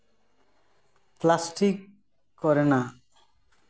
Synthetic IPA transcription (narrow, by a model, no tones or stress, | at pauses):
plasʈikː | ɔɾena